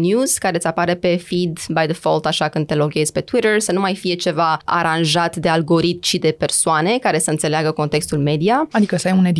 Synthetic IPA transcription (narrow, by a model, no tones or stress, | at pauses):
njuz̥kaɾe̞t̪sʲapaɾepe̞fid̪bajðəfolt̪aʃakɨnd̪̚t̪e̞lo̞ɡʲe̞z̥ʲpe̞t̪wiɾərsənumajfije̞t͡ʃe̞vaa̰ɾanʒat̪d̪e̞alɡo̞ɾit̪̚mʃid̪e̞pe̞rsoane̞kaɾe̞səɨnt̪se̞leaɡəko̞nt̪e̞kst̪ulme̞d̪iaad̪ikəsəajuned̪